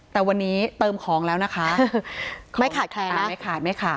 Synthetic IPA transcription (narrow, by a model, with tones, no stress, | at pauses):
t̪ɛː˨˩wa˧nːiː˦˥t̪ɤː˧mkʰɔː˩˦ŋlɛː˦˥wna˦˥kʰa˦˥ | kʰma˥˩jkʰaː˨˩kʰɛː˧aː˨˩ma˥˩jkʰaː˨˩ma˥˩jkʰa˧˨˩